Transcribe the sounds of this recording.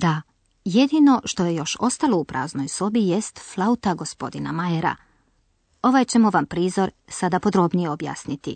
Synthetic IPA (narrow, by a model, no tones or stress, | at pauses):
d̪a | jed̪ino̞ʃt̪o̞je̞jo̞ʃo̞st̪alˠo̞upɾʔa̰ːzno̞jso̞bijest̪flˠaut̪aɡo̞spo̞d̪ina̰majeɾa̰ | o̞ʋajt͡ɕe̞moʋampɾiːzo̞ɾ | sad̪apo̞d̪ɾo̞bnijeo̞bja̰ːsnit̪i